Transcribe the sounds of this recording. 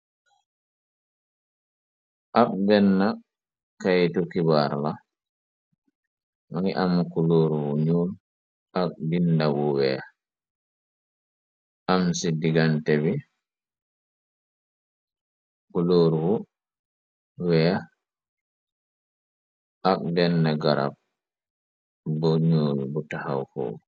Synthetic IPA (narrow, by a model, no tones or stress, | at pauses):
ʔabdɛnːa | kajtukibaɾla | maŋiʔamːkuloɾwuɲoːl | ʔabdindawuwɛ̰a | ʔamsidiɡantɛbi | kuloːɾwɔ | wɛa | ʔakbɛndaɡaɾa̰b̚ | bɔɲoːlbɔtahawfɔ̰